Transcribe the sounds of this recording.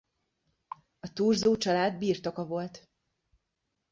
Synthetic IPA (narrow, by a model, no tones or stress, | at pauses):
ɒt̪uːrzoːt͡ʃɒlaːd̪biːrt̪ɒkɒvo̞lt̪